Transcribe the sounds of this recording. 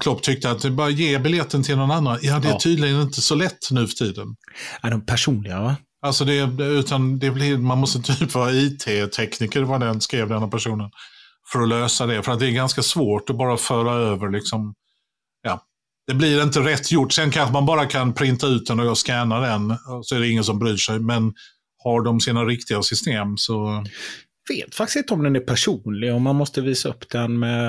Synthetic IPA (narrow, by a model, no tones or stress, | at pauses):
kʰlɔpːt̪ʰʏk̚t̪əat̪̚d̪ɛbɑːɾajeːbɪljɛt̪ːənt̪ʰɪlnɔnanːanjɑːd̪ɛt̪ʰyːd̪lɪɡənɪnt̪əsɔlɛt̪ʰːnʉ̟ːfœ̥ʈʰiːd̪ənadɔmpʰæʂuːnlɪɡava | alsɔd̪ɛʉ̟ːt̪ʰand̪ɛblɪɾmanmɔst̪əɪnt̪əjyːpɑːiːt̪ʰeːt̪ʰɛknikəɾvad̪ɛnskɾeːvd̪ɛnːapæʂuːnən | fœɾɔløːsad̪ɛfœɾat̪̚d̪ɛːɾɡanskasvoːʈɔbɑːɾafœːɾaøːvəɾɭɪksɔm | jɑː | d̪̥ɛblɪɾɪnt̪əɾɛt̪ʰːjʊʈːsɛnkʰanɧəmanbɑːɾakʰanpʰɾɪnt̪aʉ̟ːt̪̚d̪ɛnɔɡɑskɛːnad̪ɛnɔsɔɛɖɛɪŋːəns̬ɔmbɾyːʂɛjmɛn | haɖɔmsiːnaɾɪkt̪ɪɡasʏst̪eːmsɔ | veːt̪fak̚t̪ɪstɪnt̪əɔmd̪ɛnæɾpʰæʂuːnlɪɡɔmːanmɔst̪əviːsaɵ̰pːd̪ɛnmɛ